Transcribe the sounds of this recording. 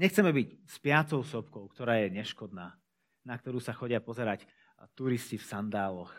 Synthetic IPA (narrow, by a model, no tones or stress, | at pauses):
ɲɛxt͡sɛmɛbicspɪat͡sɔʊsɔpkɔʊkt̪ɔɾaːjɛɲɛʃkɔd̪naː | nakt̪ɔɾuːsaxɔɟɪapɔzɛɾac | t̪uɾiscifsand̪aːlɔx